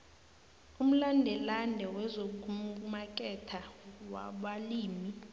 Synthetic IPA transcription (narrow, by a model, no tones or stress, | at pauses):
um̩landʱɛlanɛwɛzokuk̬umak̬ʼɛtʰawa̰ɓaliːmi